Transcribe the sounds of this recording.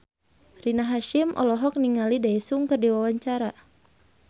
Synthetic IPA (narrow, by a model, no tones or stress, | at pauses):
rinaɦaʃimʔɔ̰lɔɦɔk̚niŋalidaisuŋkɨrdiwawaɲt͡ʃaɾa